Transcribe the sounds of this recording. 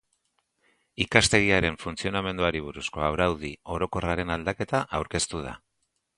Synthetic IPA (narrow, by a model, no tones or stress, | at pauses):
ikast̪e̞ɣiaɾe̞ɱfunt͡sio̞name̞nd̪uaɾiβ̞uɾusko̞awɾawð̞io̞ɾo̞ko̞raɾe̞nald̪ake̞t̪aʔawɾke̞st̪uð̞a̰